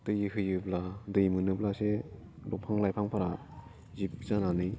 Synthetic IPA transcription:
tɯjɯhɯjɯbladɯjmɯnɯplase | dɔpʰaŋlajpʰaŋpʰaɾa | zip̚zananɯj

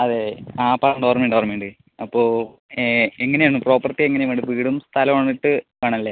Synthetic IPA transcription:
ɐðeaːpɐɐɳɖoːrmeɳɖoːɐrmeɳɖɨ | ɐpːoː | eŋːɐnejaɳːupro̞ːpːɐrt̪ːieŋːɐneʋɐɳɖɨpiːɽumst̪ʰɐlɐmaɳiʈːɨkɐɳɐɐlːeː

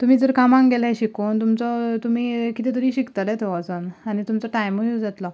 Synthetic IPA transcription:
t̪um̤iːd͡zəɾkamãŋɡɡelãɕikownt̪umt͡sɔt̪umikit̪et̪əɾiɕikt̪alɛt̪ʰoʋat͡sɔnanit̪umt͡sɔʈajmujud͡zat̪lɔ

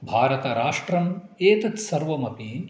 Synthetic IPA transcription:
bʱaːɾɐt̪ɐɾaːʂʈɾɐm | eːt̪ɐt̪sɐɾʋɐmɐpi

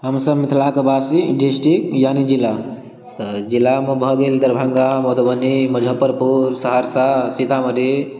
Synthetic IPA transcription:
ɦəmsəbmit̪ʰlakəbasiɖisʈikjanid͡ʒila | t̪əd͡ʒilamebʱɔɡeld̪əɾbʱəŋɡamod̪bəniməd͡ʒʱəpəɾpuɾsəɦaɾsasit̪aməd̪ʱi

